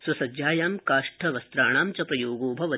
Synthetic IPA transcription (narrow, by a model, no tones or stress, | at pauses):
sɐsɐd͡ʒjaːjaːmkaːʂʈʰɐʋɐst̪ɾaːɳaːmt͡ʃɐpɾɐjoːɡoːbʱɐʋɐ